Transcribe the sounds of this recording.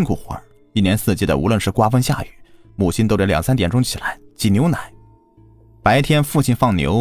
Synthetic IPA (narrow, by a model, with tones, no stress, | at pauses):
ŋkʰu˨˩xwə̰˧˥ | i˥˩njɛ˧˥nsɹ̩˥˧t͡ɕi˥˩d̪ə̰˨ʔṵ˧˥lwə˥˧nʂɻ̩˥˩kwa˥fə˥ŋɕja̰˥˩y˨˩ | mu˨˩t͡ɕʰi˥nt̪o˥ʊʈ͡ʂa˥˩ljɑ˨˩ŋsa˥nt̪jɛ˨˩nʈ͡ʂʊ˥ŋt͡ɕʰi˨˩la˧˥ɪt͡ɕi˧˩njo˧˥ʊna˨˩˦ɪ | pa˧˥ɪt̪ʰjɛ˥nfu˥˩t͡ɕʰi˥˩nfɑ˥˩ŋnjo̰˧˥ʊ